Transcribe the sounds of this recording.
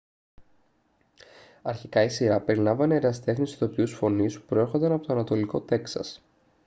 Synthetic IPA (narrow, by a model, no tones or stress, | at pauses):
ɐɾçikɐisiɾɐpe̞ɾilɐmvɐneɾɐst̪e̞xnist̪t̪o̞piusfo̞nispu̥pɾoe̞ɾxo̞nd̪ɐnɐpo̞t̪oɐnɐt̪o̞liko̞t̪e̞ksɐ̰s